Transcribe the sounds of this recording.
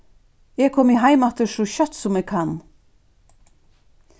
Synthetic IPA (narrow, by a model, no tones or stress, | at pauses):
eːɡ̚kʰɔmiɦæɪmɑt̪əʃoçœt̪sɔmɛːɡkʰɑn